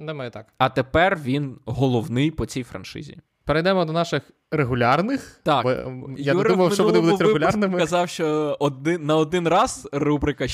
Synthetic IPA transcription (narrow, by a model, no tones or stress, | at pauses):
nɛmɛjɛt̪ɑkɐt̪epɛrʋʲinɦɔlˠɔwnɪjpɔt͡sʲijfɾɐ̰nʃɪ̰zʲḭ | peɾejd̪ɛmɔd̪ɔnɑʃɪx | reɦʊlʲarnɪxt̪ɑkbɔ̰januɛɾumɐjumʃɔʋ̪ɔnɪbud̪ʊtʲreɪʊlʲaɾnɪmɪkɐzɑwʃt͡ʃɔɔd̪ɪnɐɔd̪ɪnrɑz̥rubɾɪkɐ